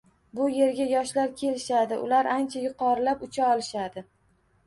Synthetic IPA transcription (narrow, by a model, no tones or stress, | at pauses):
bʊje̞ɾɡʲajɒʃlaɾkʲʰe̞lɪʃad̪ɪʔʊ̰laɾant͡ʃʰajʊqʰɒɾɪlapʊt͡ʃʰaɒlɪʃad̪ɪ